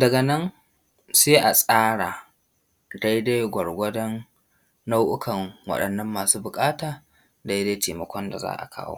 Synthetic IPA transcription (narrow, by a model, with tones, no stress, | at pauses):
dɐ˨ɡɐ˨nɐ˦n | seː˦ʔa˨sʼaː˦ɽa˨ | da˦jda˦jɡʷɐ˨ɽɡʷɐ˦dɔ˦nː | a˦wʔʊ˦kʰɐ˨ŋwɐ̰˦ɗɐ˨nːɐ˦mːaː˨suː˦bʊ˨kʼaː˦taː˨ | da˦jda˦teː˨mɐ˨kʷɔ˦nda̰˨za̰ː˦ʔa̰˨kʰa̰ː˦wo̰ː˦